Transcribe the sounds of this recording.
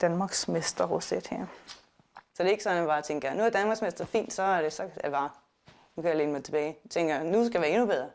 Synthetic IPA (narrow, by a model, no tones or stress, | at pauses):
d̥ænmɑ̈ɡ̥smesd̥ɐʁosed̥hæɐ̰ | sɒ̽d̥e̝e̝ɡ̥sɒ̽nʋɑ̈ːt͡sʰeŋ̰ɡ̥ɐnuæɐd̥ænmɑɡ̥smesd̥ɐfḭːnd̥sɒ̽æɐɾ̥e̝sɒ̽æʋɑ̈ | nukʰæjælenəmɑɪt͡sʰe̝b̥ɛːɪt͡sʰeŋɡ̥ɐnusɡ̥æʋæɐe̝nub̥eð̞ˠɐ